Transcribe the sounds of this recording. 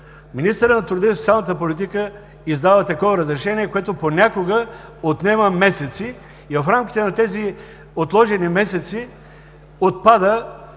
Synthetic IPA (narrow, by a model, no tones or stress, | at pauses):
minist̪əɾət̪nɐt̪ɾʊɾd̪ist̪sʲalˠnət̪̬əpolit̪ikə | izd̪avət̪ɐkɔvəɾəzɾɛʃɛniɛkoɛt̪oponʲakoɡəot̪nɛməmɛsɛt̪siː | vɐfɾamkʲi̥t̪ɛnɐt̪ɛzi | ot̪lˠɔʒɛnimɛsɛt̪si | ot̪̚pad̪ə